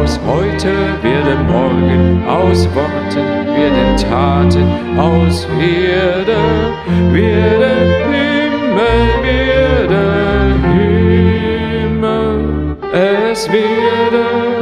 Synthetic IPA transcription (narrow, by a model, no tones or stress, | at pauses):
shɔʏtʰəvɪɐɐt̚eːɐmɔʁɡənʔaʊsv̥aʁtʰən | vɪɐt̚deɐtʰaːtən | ʔaʊsvedə | vɪdəhʏməvɪdəhy | mə | ʔɛsv̥ɪdə